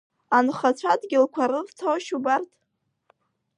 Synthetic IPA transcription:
anχat͡ɕʷʰadɡʲɪlkʷʰaɾɨrtʰowʃubartʰʼ

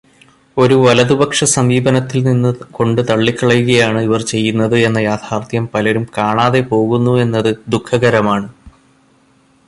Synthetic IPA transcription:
o̞ɾuʋɐlɐðubɐkʂɐsɐmʋiːbɐnɐt̪ːilninːɨko̞ɳɖɨt̪ɐɭːikːɐɭɐjuɣɐjaːɳɨiʋɐrt͡ɕe̞jːunːɐðɨe̞nːɐjaːd̪ʱʰaːrt̪ʰjɐmpɐlɐɾumkaːɳaːðe̞po̞ːɣunːue̞nːɐðɨd̪ukʰːɐɣɐɾɐmaːɳɨ

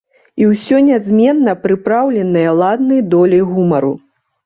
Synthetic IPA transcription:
iwsʲɔnʲazʲmʲɛnːɐpɾɨpɾawlʲɛnɨjɐlˠad̪nɐjd̪ɔlʲɛjɣumɐɾu

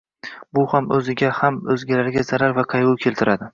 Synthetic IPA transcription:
bʊhamɵzɪɡʲahamɵzɡʲalaɾɪɡʲazaɾaɾvaqʰɑjʊkʲʰe̞lt̪ʰɪɾad̪ɪ

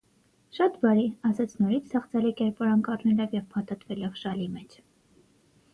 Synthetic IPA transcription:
ʃɑt̪bɑɾiɑsɑt͡sʰnɔɾit͡sʰt̪ʰɛχt͡sʰɛlikɛɾpɔɾɑnkɑrnɛlɔvjɛvpʰɑt̪ɑt̪vɛlɔvʃɑlimɛt͡ʃʰ

